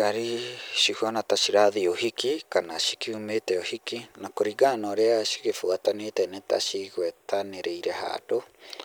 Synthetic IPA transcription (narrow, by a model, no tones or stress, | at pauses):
kaɾiʃihuanat̪at͡ʃiɾaðiohikikanaʃi̥kiumet̪eohikinakoɾiɡanoɾeaʃi̥kefuat̪anet̪anet̪a̰ʃiɡwet̪aneɾeiɾeha̰ɾo